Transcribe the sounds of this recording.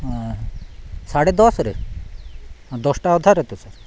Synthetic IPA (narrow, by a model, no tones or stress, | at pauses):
saɽed̪ɔsɾe | d̪ɔsʈaɔd̪ʱaɾɦet̪osaɾ